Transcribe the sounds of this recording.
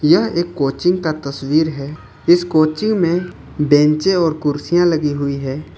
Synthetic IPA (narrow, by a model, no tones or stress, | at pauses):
jəɦeːkːoːt͡ʃɪ̃ŋɡkat̪əswiːɾɦɛː | ɪskoːt͡ʃɪ̃ŋɡmẽ | bɛ̃ːnt͡ʃẽɔːɾkʊɾsijãlɐɡiɦʊiɦɛː